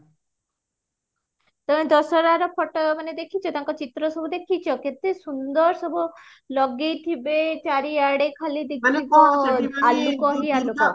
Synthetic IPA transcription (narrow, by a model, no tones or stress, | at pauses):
t̪ɔmed̪ɔsɔɾaɾɔpʰɔʈɔmaned̪ekʰit͡ʃʰɔt̪aŋkɔt͡ʃit̪ɾɔsɔbʱud̪ekʰit͡ʃʰɔket̪esund̪ɔɾsɔbʱu | lɔɡejt̪ʰibet͡ʃaɾiaɽekʰalid̪ekiɔalukɔɦialukɔ